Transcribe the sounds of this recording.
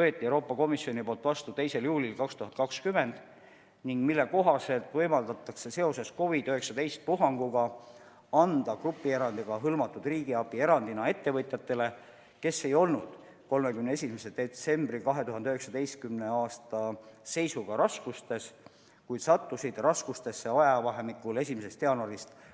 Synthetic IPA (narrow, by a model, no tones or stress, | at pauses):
t̪øet̪ːiewɾo̞ːpːˑɑko̞misio̞nipo̞ːlt̪ˑvɑst̪ut̪e̞jse̞ljuːlʲilkɑkst̪uɦɑn̚kɑkskyme̞nd̪̥ | niŋɡ̥milːe̞ko̞ɦɑse̞lt̪ˑvɤjmɑld̪ɑt̪ˑːɑkse̞se̞o̞se̞sko̞vid̪yɦe̞ksɑd̪e̞jst̪̚puɦɑŋɡ̥uɡ̥ɑ | ɑnd̪̥ɑkrupːˑie̞ɾɑnd̪̥iɡ̥ɑɦɤlmɑt̪ːˑud̪̥riːɡ̥iɑpie̞ɾɑnd̪inɑe̞t̪ːe̞vɤt̪ʲˑjɑt̪ːˑe̞le̞ | ke̞sːejo̞lnud̪̥ | ko̞lmekymnee̞simese̞d̪̥e̞t̪se̞mbrikɑɦe̞t̪uɦɑnd̪yheksɑd̪e̞jst̪kymne̞ɑːst̪ɑse̞jsuɡ̥ɑɾɑskust̪e̞s | kujd̪sɑt̪ːusid̪̥rɑskust̪e̞sːe̞ɑjɑvɑɦemikːˑule̞simes̬e̞st̪eɑnoɾist̪